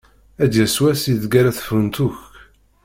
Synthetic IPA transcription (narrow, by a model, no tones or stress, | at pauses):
æd̪jæswæsiðɡæɾæθə̥fənt̪uç